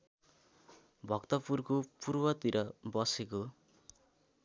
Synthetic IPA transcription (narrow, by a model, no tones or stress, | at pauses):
bʱʌkt̪ʌpurkopurwʌt̪iɾʔʌbʌseko